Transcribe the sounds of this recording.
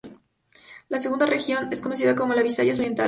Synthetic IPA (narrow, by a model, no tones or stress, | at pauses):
las̬eɣund̪arexjo̞ne̞sko̞no̞s̬iðako̞mo̞laβisaʝas̬oje̞nt̪a̰